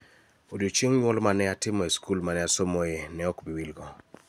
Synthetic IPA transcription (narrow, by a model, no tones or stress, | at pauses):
odjot͡ʃeŋɲwɔlmanɛatɪmɔeskulmanɛasomɔjenɛɔkbiwilɡɔ